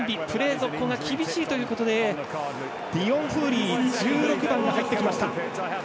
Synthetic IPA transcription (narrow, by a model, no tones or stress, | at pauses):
mbʲipɯ̟ɾe̞ːzo̞kːo̞ŋɡakʲibʲiɕiːt̪o̞jɯ̟ːko̞t̪o̞d̪e̞ | d̪̥ʲiõ̞ɰ̃ɸɯ̟ːɾʲiːd͡ʑɨːɾo̞kɯ̟bãŋɡahait̪ːe̞kʲimaɕi̥t̪a